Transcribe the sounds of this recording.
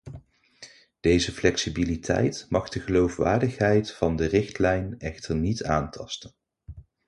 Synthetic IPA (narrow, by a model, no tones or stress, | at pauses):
d̥ejzəflɛksibilitʰɛ̰jtmɑχdəχəlowfʋa̰ːɹdəχɦɛjtfɑndərɪχtlɛjnɛχtəɹnitaːntʰɑstən